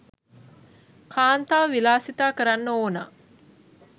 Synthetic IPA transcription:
kʰaːnt̪aːʋəʋilaːsit̪aːkəɾanːəoːna̰ː

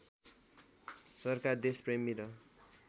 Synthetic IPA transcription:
sʌrkard̪espremiɾʌ

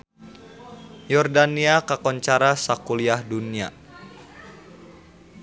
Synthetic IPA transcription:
jɔrdaniakakɔɲt͡ʃaɾasakuliahdunia̰

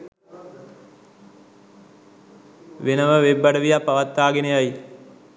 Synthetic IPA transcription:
ʋenəʋəʋebːaɖəʋijapːaʋat̪ːaːɡenejaj

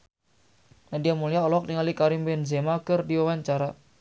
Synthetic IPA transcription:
nadiamuliaɔlɔk̚niŋalikaɾimbɛnzemakɨrdiwawaɲt͡ʃaɾa

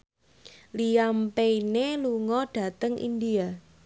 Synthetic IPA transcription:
lijampeineluŋɔɖ̥ä̤t̪əŋʔḭnd̪ia

